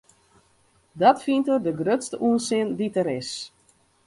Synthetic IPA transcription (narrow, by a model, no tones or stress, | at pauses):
dɔtfintərdəɡrøtstəʔuəsɪənditəɾɪs